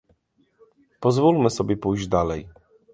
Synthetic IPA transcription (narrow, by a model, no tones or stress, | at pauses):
pɔzvulmɘsɔbʲjɛpujʑd͡ʑd̪alɛj